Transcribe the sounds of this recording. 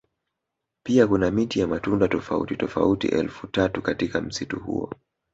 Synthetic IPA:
piakunamitijamatundatɔfaṵtitɔfa̰utḭʔɛ̰lfutatukatikam̩situhṵɔ̰

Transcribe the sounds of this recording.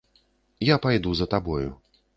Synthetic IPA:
japajd̪uzɐt̪abɔjṵ

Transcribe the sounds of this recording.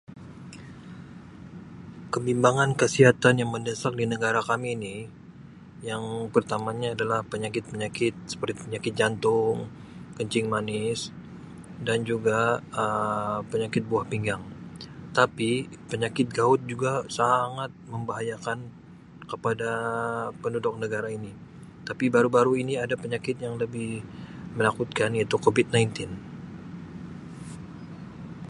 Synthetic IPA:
kəmbimbaŋankəsiɦat̪anjaŋməndəsak̚dinəɡaɾakamini | jaŋpərt̪amaɲaːdalahpəɲakɪt̪̚pəɲakɪt̪̚sə̥pərt̪ipəɲakɪt̪̚d͡ʒant̪ʊŋ | kəɲt͡ʃɪŋmanɪs | dand͡ʒuɡaəpəɲakɪt̪̚buahpiŋɡaŋt̪apipəɲakɪt̪̚ɡaʊt̪̚d͡ʒuɡasaŋat̪̚məmbaɦajakan | kəpadapəndudʊk̚nəɡaɾaini | t̪apibaɾubaɾuiniadapəɲakɪt̪̚jaŋləbɪhmənakut̪̚kanjat̪ukobɪt̪̚najnt̪ɪn

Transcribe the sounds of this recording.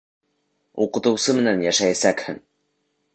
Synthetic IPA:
uqɤ̆t̪ɤ̆wsɤmɘ̆nænjæʃæjæsækhɘŋ

